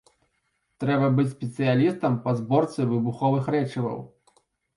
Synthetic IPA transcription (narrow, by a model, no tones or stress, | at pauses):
t̪ɾɛbɐbɨt͡sʲsʲpʲɛt̪sɨjalʲist̪ɐmpɐzbɔrt̪sɨvɨbuxɔvɨxɾɛt͡ʂivɐ̰w